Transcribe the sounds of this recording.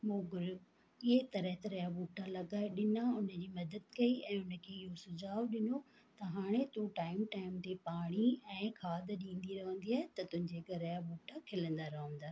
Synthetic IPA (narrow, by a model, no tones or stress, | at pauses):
moːɡʊɾu | ɪɦet̪ɐɾəɦt̪ɐɾɐjabuːʈʰalɐɡaːeɗɪnaʊnə̆d͡ʑiːmɐd̪əd̪kɐiɛ̃ːʊnə̆kʰeɪɦosʊd͡ʑaːʋɗɪno | t̪ɐɦaːɽ̃et̪ũʈaːɪmʈaːɪmt̪epaːɽ̃iɛ̃ːkʰaːd̪ɗĩːn̆d̪iɾɐɦə̃n̆d̪iaːɦɪt̪ɐt̪ʊ̃ɦɪ̃ɲd͡ʑekɐɾɐjabuːʈʰakʰɪlə̃nd̪aɾɐɦə̃n̆d̪aː